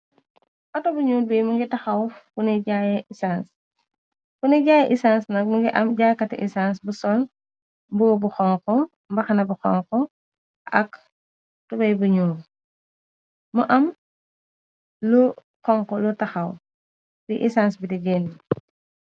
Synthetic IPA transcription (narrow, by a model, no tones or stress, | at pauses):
ʔɔtɔbuɲuːlbijmuŋɡitɐxɐwfuniɟajisans | funiɟaːjɛʔisaːnsnɐmuŋɡiʔɐmɟaːjkɐtḭʔisans̬busɔl | mbuɡɔbuxɔŋkɔ | mbɐxɐnɐbuxɔ̰ŋkɔ | ʔɐ̰k | tubɐjbuɲuːl | muʔɐm | lu | kɔŋkɔlutɐxɐw | biʔisansbidiɡɛni